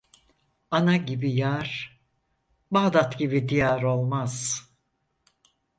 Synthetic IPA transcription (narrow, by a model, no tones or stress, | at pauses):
anaɟibijaɾ̥ | baːd̪at̪ɟibid̪ijaɾo̞lˠmaz̥